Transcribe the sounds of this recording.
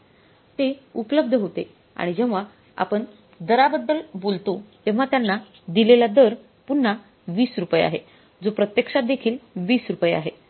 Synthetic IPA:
t̪eupələb̚d̪ʱəɦot̪e | a̰ɽ̃id͡ʑeʋ̤a | a̰pəɳ | d̪əɾabəd̪ːəlbolt̪ot̪eʋ̤at̪janːa | d̪ilelad̪əɾ | punːa | ʋiːsɾupəja̰ɦe | d͡zopɾət̪jəkʂat̪̚d̪ekʰiːlʋiːsɾupəjea̰ɦe

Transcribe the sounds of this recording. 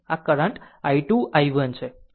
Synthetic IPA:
akəɾə̃ɳʈaiʈuʔajʋənt͡ʃʰe

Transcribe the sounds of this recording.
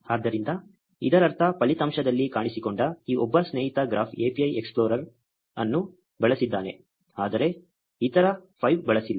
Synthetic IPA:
aːd̪ːɐɾind̪ɐ | id̪ɐɾɐɾt̪ʰɐpɐlit̪ɐmʃɐd̪ɐlːikaːɳisikoɳɖɐiːʔɔbːɐsneːɦit̪ɐɡɾaːpʰeːpiɐjekspɭoːɾɐɾ | ɐ̰nːu | bɐɭɐsid̪ːaːne | aːd̪ɐɾe̞ | it̪ɐɾɐpʰɐjʋbɛɭɐsilːɐ

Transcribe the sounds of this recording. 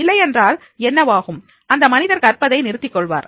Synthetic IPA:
ɪlːɐɪɛndraːl | ɛnːɐʋaːɣɯm | ɐnd̪ɐmɐnɪðɐɾkɐrpɐðɐɪnɪɾɯt̪ːɪkːɔɭʋa̰ːɾ

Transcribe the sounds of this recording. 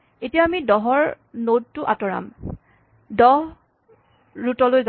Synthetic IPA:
etijaamidɔɦɔɹ | nod̚tʊʔatɔɹa̰m | dɔɦ | ɹutɔlojz

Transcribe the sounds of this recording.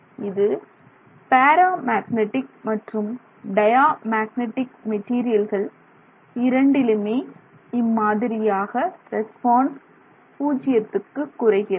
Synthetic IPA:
ɪðɯ | paːɾaːmaːɣnɛʈɪk̚mɐʈrɯm | ɖɐjaːmaːɣnɛʈːɪkmɛʈːiːɾɪjɐlɣɐɭ | ɪɾɐɳɖɪlɯmeː | ɪmːaːðɪɾɪjaːɣɐɾɛspaːns | puːt͡ʃːɪjɐt̪ːɯkːɯkːʊrɐɪɣɪɾ

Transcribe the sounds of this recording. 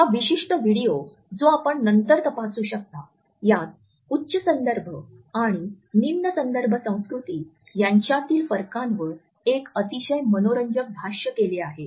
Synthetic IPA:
jaʋiɕiʂʈəʋiɽijo | d͡zoapəɳnənt̪əɾt̪əpasuːɕək̚t̪a | jat̪̚ | utːɕəsənd̪əɾbʱə | aɽ̃i | nimnəsənd̪əɾbʱəsə̃w̃skɾut̪iː | jaɲt͡ɕjat̪iːlfəɾkãnʋəɭ | ekət̪iɕəjmənoɾəɲd͡ʑək̚bʱaɕjəkeleaɦe

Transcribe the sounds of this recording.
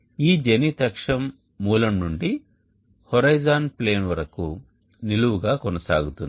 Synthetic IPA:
iːd͡ʒenit̪ɐkʂɐmː | uːlɐmnuɳɖi | hɔɾɐjd͡ʒaːnple̞ːnʋɐɾɐku | niluʋuɡaːkɔnɐsa̰ːɡut̪und̪i

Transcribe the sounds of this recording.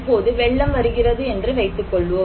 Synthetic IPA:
pːoːðɯʋɛɭːɐmʋɐɾɯɣɪrɐðɯɛndrɯʋɐɪt̪ːɯkːɔɭːɯʋɐ

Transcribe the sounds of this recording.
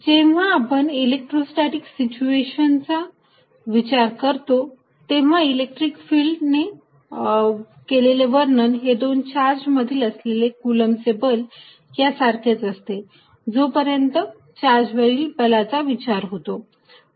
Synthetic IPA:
d͡ʑeʋ̤aːpənilek̚ʈɾosʈaʈiksit͡ɕueɕənt͡sa | ʋit͡ɕaɾkəɾt̪o | t̪eʋ̤ailek̚ʈɾikfiːlɖne | keleleʋəɾnənɦed̪ont͡ɕaɾd͡zməd̪ʱiːləslelekuləmsebəl | jasaɾkʰet͡səst̪e | d͡zopəɾjənt̪ə | t͡ɕaɾd͡ʑʋəilbəlat͡saʋit͡ɕaɾɦot̪o

